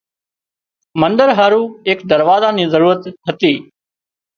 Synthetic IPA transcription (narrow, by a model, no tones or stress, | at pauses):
mənd̪əɾɦaːɾuːeːkd̪əɾʋaːzãːniːzəɾuːɾət̪ɦət̪iː